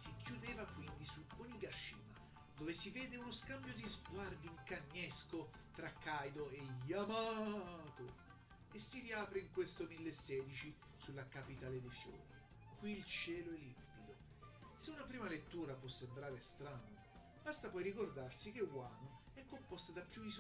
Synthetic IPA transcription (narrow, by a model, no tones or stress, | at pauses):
sikjud̪eːvakwind̪isuoɲːiɡaʃːḭːma̰ | d̪oːvesivɛːd̪eunoskambjod̪izɡward̪iiŋkaɲːesko | t̪ɾakːajd̪oeʎːamat̪o | esːiɾiaːpɾeiŋkwest̪omilːesːɛːd̪it͡ʃi | sulːakapit̪aːled̪efjo̰ːɾi | kwiːlt͡ʃɛːloɛlːimpid̪o | seunapɾiːmalet̪ːuːɾapwɔsːembɾaːɾest̪ɾaːno | b̥ast̪apɔjɾikord̪arsik̟ewwano | ɛkːompɔst̪ad̪apːjuis